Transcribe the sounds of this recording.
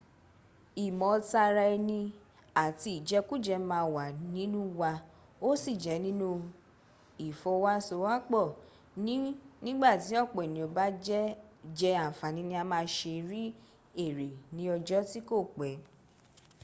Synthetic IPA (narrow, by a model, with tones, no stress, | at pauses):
i˨mɔ̃˨ta˧ɾa˧ɛ˧nĩ˧ | a˨ti˧i˨d͡ʒɛ˦ku˦d͡ʒɛ˧˦mãː˧wa˨nĩ˨˦nũ˦wa˧ | o˦si˦˨d͡ʒɛ˨˦nĩ˦nũ˦ | i˨fɔ˧wa˦so˧˦wa˦k͡pɔ˦˨ | nĩ˦nĩ˦ɡ͡ba˦˨ti˨˦ɔ˦˨k͡pɔ˨nĩ˨o˨˧ba˦d͡ʒɛ˦d͡ʒɛ˧a˨fa˨nĩ˨˦nĩ˧˦a˧mãː˧˦ʃe˧ɾi˦ | e˦˨ɾe˨nĩ˨˦ɔ˧d͡ʒɔ˦ti˦ko˦˨k͡pɛ˨˦